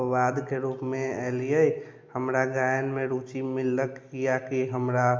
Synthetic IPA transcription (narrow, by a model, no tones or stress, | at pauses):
ʋad̪keɾuːpmẽɛlijəi | həmɾaɡajənmẽɾuːt͡ʃimilːəkijakiɦəmɾa